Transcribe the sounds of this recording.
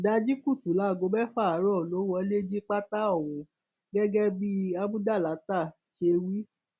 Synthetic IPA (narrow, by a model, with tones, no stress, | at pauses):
da˧˦d͡ʒi˦ku˦˨tu˨˦˨la˨˦˨ɡo˧˦bɛ˦fa˦˨˦ɾɔ˦˨lo˨˦wɔ˧˦le˦d͡ʒi˦k͡pa˦ta˦ɔ˦˨wũ˨ | ɡɛ˦ɡɛ˦bi˦a˦bũ˦da˦˨la˨˦ta˦˨ | ʃe˧wi˦